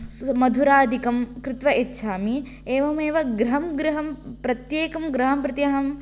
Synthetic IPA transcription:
mɐd̪ʱuɾaːd̪ʱikɐmkɾɪt̪ʋɐʔetːʃʰaːmi | eːʋɐmeːʋɐɡɾɐɦɐmɡɾɐɦɐmpɾɐt̪jeːkɐmɡɾɐɦɐmpɾɐt̪jaɦɐm

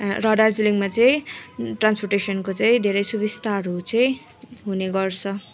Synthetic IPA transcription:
rʌɖʌrd͡ziliŋmat͡sʌĩʈransporʈesʌnkot͡saĩd̪ʱeɾʌjsubist̪aɾot͡sʌĩ | ɦuneɡʌrt͡sʰʌ

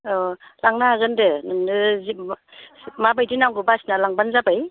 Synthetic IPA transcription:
ɔlaŋnaaɡɯndɯnɯnɯz | mabajdinaŋɡɯbasinalaŋbanzabaj

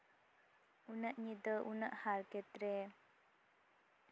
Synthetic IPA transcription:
unəʔɲid̪əʔunəʔhaɾkɛt̪ɾe

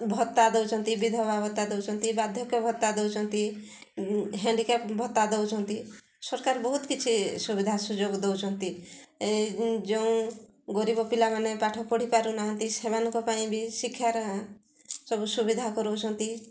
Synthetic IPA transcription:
bʱɔt̪ːad̪ewt͡ʃʰɔnt̪ibid̪ʱɔbabʱɔt̪ːad̪ewt͡ʃʰɔnt̪ibad̪ʱjɔkebʱɔt̪ːad̪ewt͡ʃʰɔnt̪i | ɦɛ̃ɳɖikepbʱɔt̪ːad̪ewt͡ʃʰɔnt̪i | sɔɾkaɾbɔɦut̪kit͡ʃʰisubid̪ʱasud͡ʒoɡd̪ewt͡ʃʰɔnt̪i | d͡ʒɔũ | ɡɔɾibɔpilamanepaʈʰɔpɔɽ̤ipaɾunaɦɔ̃nt̪iseβanɔkɔpaĩbʱisikʰːjaɾ | sɔbusubid̪ʱakɔɾowt͡ʃʰɔnt̪i

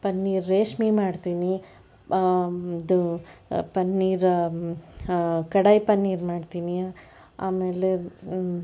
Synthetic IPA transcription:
pɐnːiːɾːeːʂmimaːɖt̪iːni | d̪upɐnːiːɾ | kɐɽɐjpɐnːiːɾmaːɖt̪iːni | aːmeːle

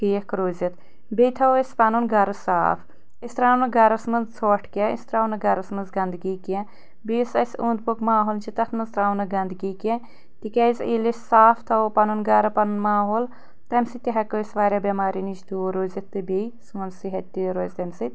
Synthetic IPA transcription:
kiɐkɾoːzit̪ | bʲejt̪ʰɐwɐsʲpɐnunɡɐɾɐsaːpʰ | isʲt̪ɾaːwnɐɡɐɾɐsmɐnzt͡sʰoːʈʰkeist̪ɾaːwnɐɡɐɾɐsmɐzɡɐnd̪ɡikɛ̃ | bisɐsuːnd̪̚pukmaːɦoːlt͡ʃit̪ɐt̪ʰnɐzt̪ɾaːwnɐɡɐnd̪ɡikɛ | t̪ikɐjziːlisʲsaːfʰt̪ʰɐwpɐnunɡɐɾɐpɐnunmaːɦoːl | t̪ɐmʲsit̪ʲiɦɐkoisʋaːɾʲabʲɐmaːɾinit͡ʃd̪uːɾoːzɐt̪ːɨbejsoːnsiɦɐt̪ʲt̪ːiɾoːzʲt̪ɐmʲsit̪ʲ

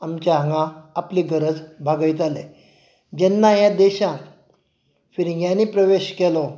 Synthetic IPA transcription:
amt͡ɕjaɦəŋɡãːpliɡəɾəd͡zbʱaɡəit̪ale | d͡ʑɛnːajãd̪ɛɕãk | fiɾĩɡjãnipɾəʋeɕkɛlɔ

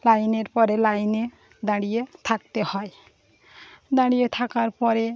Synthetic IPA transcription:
lajneɾpɔɾelajne | d̪aɽijet̪ʰak̚t̪ehɔe | d̪aɽijet̪ʰakaɾpɔɾe

